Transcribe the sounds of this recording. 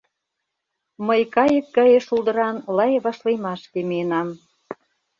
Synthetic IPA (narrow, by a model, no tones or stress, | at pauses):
məjkɑjə̆k̚ːɑjeʃuld̪ɤ̆ɾɑnlɑjβɑʃlejmɑʃkemijenɑm